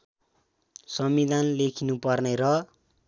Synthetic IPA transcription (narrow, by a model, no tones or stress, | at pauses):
sʌmid̪ʱanlekʰinupʌrneɾʌ